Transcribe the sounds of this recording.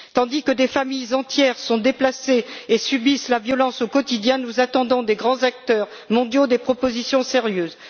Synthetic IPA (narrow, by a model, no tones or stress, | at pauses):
t̪ɑ̃d̪ikəd̪efamijzɑ̃t̪jɛʁsɔ̃d̪eplaseesybislavjɔlɑ̃sokɔt̪id̪jɛ̃nuzat̪ɑ̃d̪ɔ̃d̪eɡʁɑ̃zak̚t̪œʁ | mɔ̃d̪jod̪epχɔpozisjɔ̃seʁjøːz